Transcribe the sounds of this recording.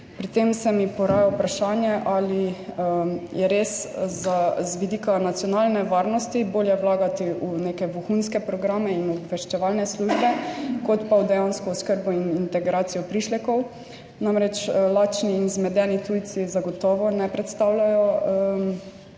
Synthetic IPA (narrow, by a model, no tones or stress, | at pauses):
pɾit̪emsɛmipɔɾajawpɾaʃaːnjɛʔali | jɛɾeszazʋid̪iːkanat̪sjɔnaːlnɛʋaɾnɔst̪iboːljɛwlaːɡat̪iʔunekɛʋuxunskɛpɾɔɡɾaːmɛinɔbʋɛʃt͡ʃɛʋalnɛsluʒbɛkɔt̪pawd̪ɛjanskɔɔskəɾbɔinint̪ɛɡɾaːt̪sijɔpɾiʃlɛkɔw | namɾɛt͡ʃlaːt͡ʃniːnzmɛd̪ɛːnit̪ujt̪sizaɡɔt̪ɔʋɔnɛpɾɛt̪st̪awlajɔ